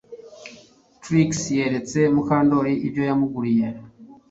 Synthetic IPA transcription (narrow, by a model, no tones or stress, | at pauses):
tɾiksje̞ɾe̞t͡se̞mukaːndo̞ɾiʔibjo̞jamuɡuɾije̞